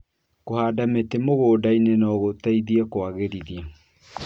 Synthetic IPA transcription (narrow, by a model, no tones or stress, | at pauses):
kohaːdametemoɣoːdainenɔɣotaiðiakwaɣeɾiðia